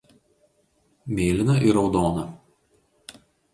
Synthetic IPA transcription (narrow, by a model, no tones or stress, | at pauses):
mʲeːlʲɪnɐʔɪɾɒʊd̪oːnɐ